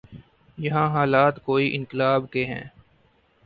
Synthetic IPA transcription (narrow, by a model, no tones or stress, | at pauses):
jɐɦãːɦaːlaːt̪koːiʔɪ̃nkɪlaːbkeɦɛ̰̃ː